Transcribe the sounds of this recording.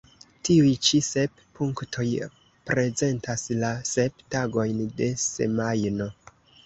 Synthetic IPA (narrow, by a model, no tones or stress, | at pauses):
tiujt͡ʃise̞p | puŋktʰo̞j | pɾe̞ze̞ntaslase̞ptaɡo̞jnde̞se̞̰majno̞